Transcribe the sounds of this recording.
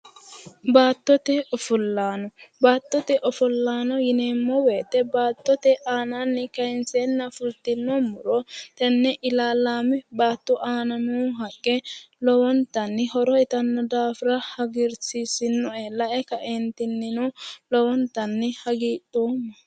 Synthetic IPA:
baːt̪ːɔt̪ɛɔfʊlːaːnɔbaːt̪ːɔt̪ɛʔɔfʊlːaːnɔjɪneːmːɔweːt̪ɛbaːt̪ːɔt̪ɛʔaːnanːɪkɐɪnseːnːɐfʊlt̪ɪnːɔmʊɾɔt̪ɐnːɛʔɪlaːlaːmɛbaːt̪ːʊʔaːnɐmuːɦɐkʼːɛ | lɔwɔnt̪ɐnːɪhɔɾɔɛt̪ɐnːɔd̪aːfɪɾɐhɐɡɪɾsisɪnːɔɛlɐʔɛkɐʔɛnt̪ɪnːɪnɔlɔwɔnt̪ɐnːɪhɐɡiːtʼːoːmːɐ

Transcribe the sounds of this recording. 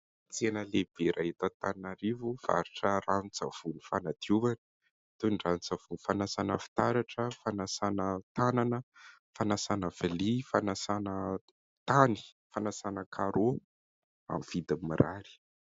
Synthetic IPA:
t͡senəleb̥eɾʔaɦet̪ət̪aniaɾivuv̥a̰ɾiʈ͡ʂəranit͡sav̥unufanad̪̥iuvanə̥ | t̪unɖ͡ʐant͡sav̥unifanasanəfi̥t̪aɾaʈ͡ʂəfanasanət̪ananə | fanasanəv̥alifanasanə | t̪ani̥ | fanasanəkʰaɾo | a̰mv̥id̪imiɾaɾi̥

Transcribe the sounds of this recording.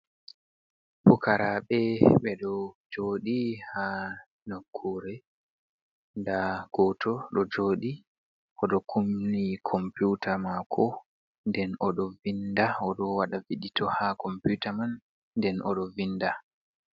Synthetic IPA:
pukaɾaɓɛɓɛɗɔd͡ʒoɗiha | nokʰːuɾɛ | ndaɡ̥ɔtʰɔɗɔd͡ʒoːɗi | ʔɔɗɔkʰumnikʰɔmputʰamakʰɔ | ndɛnɔɗɔvindaɔɗɔwaɗaviɗitʰɔhakɔmputamanː | dɛnʔɔ̰ɗɔvinːda

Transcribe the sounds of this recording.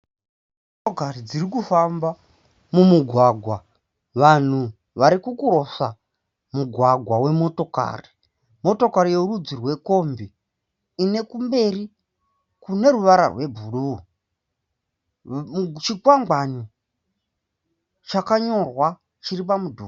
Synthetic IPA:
okarid͡zirik̬ufamba | mumuɡʱwaɡʱwa | ʋan̤u | ʋaɾikukuɾo̞sa | muɡʱwaɡʱwawe̞mo̞to̞ka̰ːri | mo̞to̞kaɾije̞urud͡zirwe̞ko̞mbiː | ne̞kumbe̞ri | kune̞ruʋaɾa̰rwe̞bʱuɗu | t͡ʃikwaŋɡani | t͡ʃakaɲo̞rwa | t͡ʃiɾip̬amudʱuː

